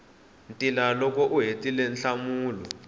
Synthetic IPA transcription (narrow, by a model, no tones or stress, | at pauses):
ntʼilalɔk̬ʼɔʔuɦetʼilɛnɬamuːlɔ